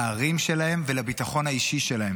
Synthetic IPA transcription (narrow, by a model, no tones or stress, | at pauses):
aːʁimʃe̞lahe̞mvelabit̪aχo̞nhaiʃiʃelaɦe̞m